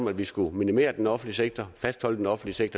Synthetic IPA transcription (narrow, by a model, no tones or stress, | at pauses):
mæd̥ʋisɡ̥uminime̝̰ːɐd̥enɒ̽fn̩dliseɡ̥̚t͡sʰɐfæsd̥hɒ̽l̰əd̥enɒ̽fn̩d̥liseɡ̥̚t͡sʰɐ